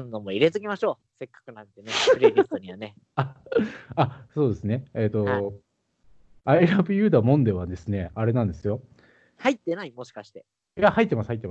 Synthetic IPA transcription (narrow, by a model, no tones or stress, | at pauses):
nːomoiɾe̞t̪ɨɡʲimaɕo̞ː | se̞kːḁkɯ̟nãnt̪e̞neɯ̟ɾʲɾʲist̪oɲ̟iβane | a | aso̞ːd̪e̞sɨne̞eːt̪o̞ | aiɾabɯ̟jɯ̟ːd̪amõ̞nd̪e̞βad̪e̞sɨne̞aɾe̞nãnd̪e̞sɨjo̞ | hait̪ːe̞naimo̞ɕi̥kaɕi̥t̪e̞ | jahait̪ːemasɨ̥hait̪ːemas